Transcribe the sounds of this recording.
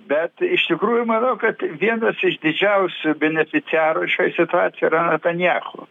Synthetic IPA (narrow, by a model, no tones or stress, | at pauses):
bʲɛt̪ɪʃt̪ʲɪkɾuːjʊmɐnɐʊkɐt̪ʋʲiɛnɐsɪʃd̪ʲɪd͡ʒʲɛʊsʲʊbʲɛnʲɛfʲɪt͡sʲɪæːɾʊʃʲoːjsʲɪt̪ʊɑːtt͡s̪ʲsʲɪjɪɾɐːnɐt̪ɐnʲjæːxʊ̰